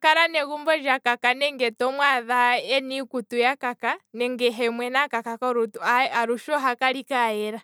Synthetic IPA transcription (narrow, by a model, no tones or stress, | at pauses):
kaɾanɛɣumbɔd͡ʒakakanɛŋɡɛtɔmwaðaɛnikutujakakanɛŋɡɛɦɛmwɛnakakakɔɾutuaaɾuʃɔɦakaɾikaɛɾa